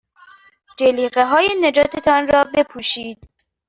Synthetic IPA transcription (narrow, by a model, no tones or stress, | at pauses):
d͡ʒeliːɢeɦɒːjened͡ʒɒːt̪ʰe̞t̪ʰɒnrɒːbe̞pʰuːʃiːd̪